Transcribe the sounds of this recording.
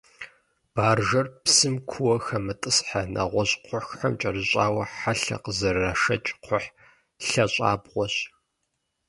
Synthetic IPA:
b̥aːrʒɐrpsɨmkʷʰuwɐxɐmɨtʼɨsħanʔɐ̰ʁʷɔɕʼqʷʰʊxħɐmt͡ʃʼɐrɨɕʼaːwɐħaɬɐ̰qəzɐrɐʃɐt͡ʃʼqʷʰʊħ | ɬɐɕʼa̰ːbʁʷɔɕ

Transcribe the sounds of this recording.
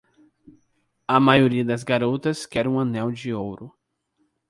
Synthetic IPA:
ɐmajoɾiɐd̪ɐzɡaɾot̪ɐskɛɾũɐ̃nɛwd͡ʒɪowɾʊ

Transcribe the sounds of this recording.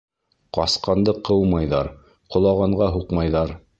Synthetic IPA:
qɑsqɑnd̪ɤqɤwmɑjðɑɾ | qʰŏlˠɑʁɑɴɢɑɦuqmɑjðɑɾ

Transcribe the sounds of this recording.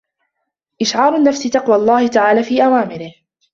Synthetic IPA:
ʔɪʃʕɑːɾˤanːafsɪt̪ɑqwalˤːɑːhɪt̪aʕaːlaːfiːʔawaːmɪɾɪh

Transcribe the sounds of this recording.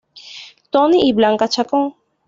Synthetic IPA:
t̪oniʔiblaŋkat͡ʃʰakoŋ

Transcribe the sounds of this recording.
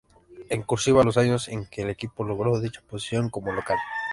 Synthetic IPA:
eŋkuɾsiβalo̞s̬aɲose̞ŋke̞ːle̞kipo̞loɣ̞ɾoðit͡ʃḁposi̥sjo̞ŋko̞molo̞kal

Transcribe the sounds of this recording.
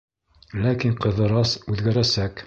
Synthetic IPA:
lækiɴqɤ̆ðɤ̆ɾɑsʉðɡæɾæsæk

